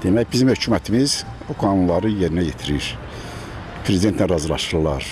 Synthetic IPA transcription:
d̪̥e̞mæjbizimhø̞cʰuːmæt̪ʰimiz | oɡɑːnunlˠɑɾɯjeɾinæjet̪ʰiɾiɾ | pʰɾezid̪ent̪lnænɾɑzɯlˠɑ̰ʃɾlˠɑɾ

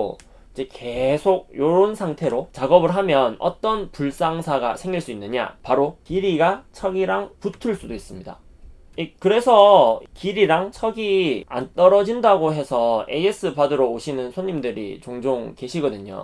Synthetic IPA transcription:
id͡ʑe̞ke̞sʰoɡ̚joɾonsʰaŋtʰe̞ɾot͡ɕaɡʌbɯɭɦamjʌnʌ̰t͈ʌnpuɭs͈aŋsʰaɡa̰sʰe̞ŋɡiɭs͈uinːɯɲa̰paɾokiɾiɡat͡ɕʰʌɡiɾaŋputʰɯɭs͈udois͈ɯmɲida̰ | ikɯɾe̞sʰʌkiɾiɾaŋt͡ɕʰʌɡia̰nt͈ʌɾʌd͡ʑindaɡoɦe̞sʰʌe̞es͈ɯpadɯɾoːɕʰinɯnsʰoɲːimdɯɾḭt͡ɕoŋd͡ʑoŋke̞ɕʰiɡʌdɯɲo̰

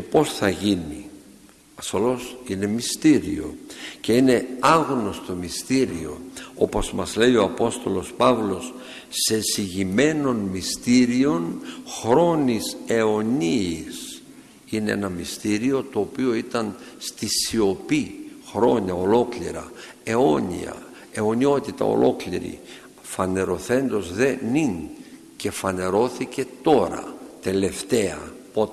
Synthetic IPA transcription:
epo̞sθɐʝini | ɐsolo̞sine̞mist̪iɾḭo̞̰ce̞ine̞ɐɣno̞st̪o̞mist̪iɾio̞̰o̞po̞zmɐzle̞io̞ɐpo̞st̪o̞lo̞spɐvlo̞sː | e̞siʝime̞no̞nmist̪iɾio̞nxɾo̞nise̞o̞niːs | ine̞ḛnɐmist̪iɾio̞t̪o̞ːpio̞it̪ɐnst̪isio̞pixɾo̞ɲɐo̞lo̞klḭɾɐ̰ | e̞o̞nḭɐ̰ | e̞o̞nio̞t̪it̪ɐ̰o̰lʔo̞klḭɾḭ | fɐne̞ɾo̞θe̞nd̪o̞zðe̞nin | ce̞fɐne̞ɾo̞θice̞t̪o̞ɾɐ̰t̪e̞le̞ft̪e̞ɐ̰pot̪e

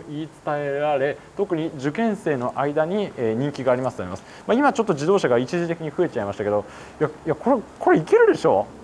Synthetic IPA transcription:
iːt͡sɨ̥t̪ae̞ɾaɾe̞t̪o̞kɯ̟ɲ̟id͡ʑɨkẽ̞ɰ̃se̞ːno̞ʔaid̪aɲ̟ieːɲ̟ĩŋkʲiɡaːɾʲimasɨ̥t̪omimasɨ̥ | maimat͡ɕo̞t̪ːo̞d͡ʑid̪o̞ːɕaɡait͡ɕiʑit̪e̞kʲiɲ̟iɸɯ̟e̞t͡ɕaimaɕi̥t̪ake̞d̪o̞ | jajako̞ɾekʰo̞ɾeike̞ɾɯ̟d̪e̞ɕo̞ː

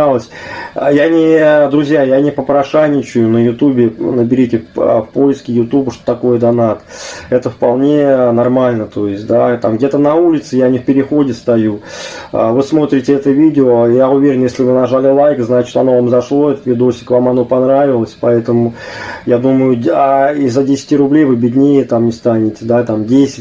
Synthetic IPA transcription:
alˠəsʲjanʲɪd̪ɾʊzʲjajanʲɪpəpɾɐʂanʲɪt͡ɕʊjʊnəjʊt̪ubʲɪnəbʲɪɾʲitʲɪfpo̞jɪskʲɪjʊt̪ubəʂt̪ot̪ɐko̞jəd̪ɐnat̪ɛt̪əfpɐlˠnʲe̞nɐrmalʲnət̪o̞jɪsʲtʲd̪at̪amɡdʲet̪ənɐulʲɪt̪sɨjanʲɪfpʲɪɾʲɪxo̞dʲɪst̪ɐjuə̰vɨsmo̞t̪ɾʲɪtʲɪɛt̪əvʲidʲɪojaʊvʲeɾʲɪnjesʲlʲɪvɨnɐʐalʲɪlˠajkznat͡ɕɪ̥t̪ɐno̞vamzɐʂlˠo̞ɛt̪ət̪vʲɪd̪osʲɪ̥kvamɐn̪o̞pɐnɾavʲɪlˠəsʲpɐɛt̪əmʊjad̪uməjʊaizədʲesʲɪ̥tʲirʊblʲejvɨbʲɪdʲnʲejət̪amnʲɪst̪anʲɪtʲɪd̪at̪amdʲesʲɪ̥t̚ʲ

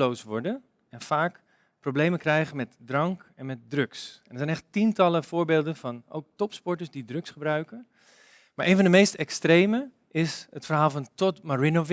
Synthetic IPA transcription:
lowsʋɔɹdən | ɛnfaːk | prowblejməkrɛjχənmɛtdrɑŋkɛnmɛt̚drɵksɛnəɹzɛjnɛχttintɑləvʊːɹbeːlˠdənvɑno̰wk̚tɔpspɔɹtəsdidrɵksχəbrœɥkən | maːɹʔejnvɑndəmejstɛkstrejmə | ɪsətfəɹɦaːlˠvɑntɔtmaɹinov

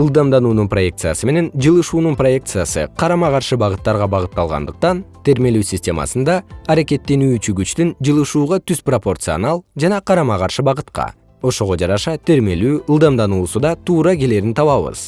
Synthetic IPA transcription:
ɯlˠd̪ɑmd̪ɑnuːnunpro̞je̞kt̪sɨja̰sɯme̞ne̞nd͡ʒɯlˠɯʃuːnunpro̞je̞k̚t̪sɨjasɯ̰qʰɑɾɑmɑʁɑɾʃɯbɑʁɯt̪ːɑɾʁɑbɑʁɯt̪ːɑlˠʁɑ̰nd̪ɯq̚t̪ɑnt̪ʰe̞ɾme̞lyːsʲɪsʲtʲe̞mɑ̰sɯnd̪ɑːɾeke̞t̪ːe̞nyːt͡ʃyɡyt͡ʃt̪ynd͡ʒɯlˠɯʃuːʁɑt̪yzpro̞po̞rt̪sɨo̰nɑlˠd͡ʒɑnɑqʰɑɾɑmɑʁɑɾʃɯbɑʁɯt̪qɑ̰ | o̞ʃo̞ʁo̞d͡ʒɑɾɑʃɑt̪ʰe̞ɾme̞lyːɯlˠd̪ɑmd̪ɑnuːsud̪ɑt̪ʰuːɾɑkɡe̞le̞ːɾint̪ʰɑβɑβɯ̰z̥

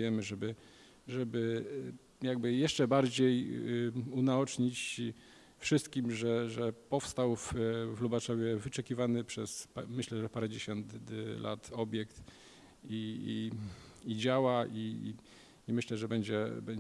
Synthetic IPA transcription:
jɛmɘʐɛbɘ | ʐɛbɘ | jaɡ̚bɘjɛʂt͡ʂɛbaɾd͡ʑej | unaɔt͡ʂɲit͡ɕ | fʂɘst̪kʲimʐɛʐɛpɔfst̪awfvlubaʂɔvʲjɛvɘt͡ʂɛkʲivanɘpʂɛsmɘɕlɛʐɛpaɾɛd͡ʑeɕɔnt̪lʔa̰t̪ɔbʲjɛkt̪ | ii | id͡ʑawaḭ | imɘɕlɛʐɛbɛɲd͡ʑɛ̰bɛɲ

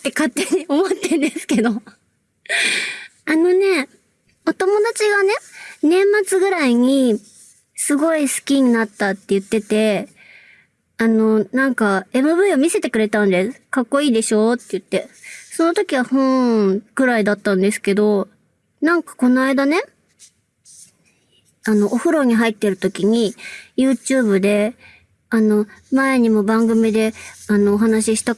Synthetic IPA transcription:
t̪ːe̞kat̪ːe̞ɲ̟io̞mot̪ːẽnd̪esɨ̥ke̞d̪o̞ | ano̞ne̞ | o̞t̪o̞mo̞d̪at͡ɕiɡane̞nẽ̞mːat͡sɨɡɯ̟ɾaiɲ̟i | sɨɡo̞isɨ̥kʲiɲ̟inat̪ːat̪ːe̞jɯ̟t̪ːe̞t̪e̞ | ano̞nãŋkae̞mɯ̟βɯ̟io̞mʲise̞t̪e̞kɯ̟ɾe̞t̪ãnd̪e̞sɨ̥kakːo̞iːd̪e̞ɕo̞ːt̪ːejɯ̟t̪ːe̞so̞no̞t̪o̞kʲiβ̞ahõkɯ̟ɾaid̪at̪ːãnd̪e̞sɨ̥ke̞d̪o̞ | nãŋkḁko̞noaid̪ane̞ | ano̞ʔoɸɯ̟ɾo̞ɲ̟iɦait̪ːe̞ɾɯ̟t̪o̞kʲiɲ̟ijɯ̟ːt͡ɕɨːbɯ̟d̪e̞ | ano̞mae̞ɲ̟imo̞bãŋɡɯ̟mʲid̪e̞ano̞ːɦanaɕiɕi̥t̪a

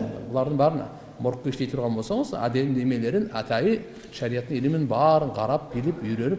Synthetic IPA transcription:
bʊlˠɑɾd̪əɴbɑɾən̰ | mʊɾqːəɪʃt̪e̞jt̪ʰʊɾʁɑnbosɑɴəzæ̰d̪e̞ld̪e̞me̞le̞ɾɪnæt̪ʰɑjə | ʃæɾijɑt̪ːəŋelɪmɪnbɑɾəɴqʰɑɾɑp̚bilɪpʏɾenɪ

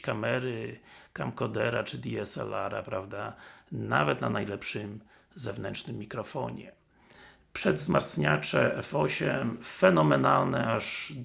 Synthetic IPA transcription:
kamɛɾɘkamkɔd̪ɛɾat͡ʂɘd̪ʲiɛsɛ̰laɾa̰pɾavd̪anavɛt̪nanajlɛpʂɘm | zɛvnɛnt͡ʂnɘmːʲikɾɔfɔ̰ɲɛ | pʂɛd̪zmaɾsɲat͡ʂɛʔɛfɔɕɛmfɛnɔmɛnalnɛaʐ

